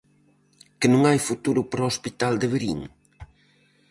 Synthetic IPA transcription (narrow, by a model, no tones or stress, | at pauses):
kɪnũŋajfut̪uɾʊpɾɔospit̪ald̪ɪβeɾḭŋ